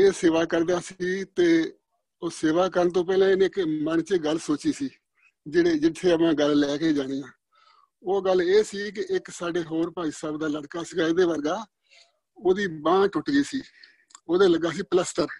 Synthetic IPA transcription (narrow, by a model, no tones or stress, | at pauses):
eːseːʋaːkəɾd̪aːsiːt̪eː | oːseːʋaːkəɾənt̪̬õːp̬ɛːlẽːɪneːkmənt͡ʃeɡəlsoːt͡ʃiːsiː | d͡ʒeːɽeːd͡ʒɪt̪ʰːeːəpãːɡəllɛːkeːd͡ʒaːɽ̃eːjãː | oːɡəleːsiːkɪʔɪksaːɖeːɦoːɾpaːiːsəːbd̪aːləɽkaːsəɡaːɪd̪eːʋəɾɡaː | oːd̪iːbãːʈʊʈɡiːsiː | oːd̪eːləɡaːsiːpələsʈəɾ